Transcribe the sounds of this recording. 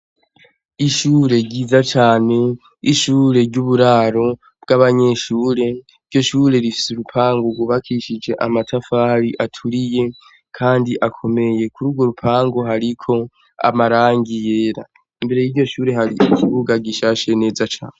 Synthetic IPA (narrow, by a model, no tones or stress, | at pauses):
iʃuːɾe̞ɟiːzat͡ʃaːne̞ | iʃuːɾe̞ɾɟuβuɾaːɾo̞ | b̥̚ɡ̥aβaɲe̞ʃuːɾe̞ | iɾɟo̞ʃuːɾe̞ɾifi̥suɾupʰaːŋɡoɡwuβakʰiʃid͡ʒe̞ʔamatʰafaɾiʔatʰuɾije̞ | kʰaːndiʔakʰo̞me̞je̞kuɾuɡo̞ɾupʰaːŋɡo̞ɦaɾikʰo̞ | a̰maɾaːŋɡije̞ːɾa̰ | imbe̞ɾe̞jiɾɟo̞ʃuːɾe̞ɦaɾiʔikʰiβuɡaɡiʃaʃe̞ne̞ːzat͡ʃa̰ːne